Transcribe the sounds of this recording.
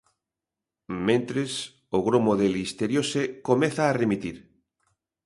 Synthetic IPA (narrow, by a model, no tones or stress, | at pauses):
mẽnt̪ɾes | oɣɾomoðelist̪eɾjosekomeθaːremit̪iɾ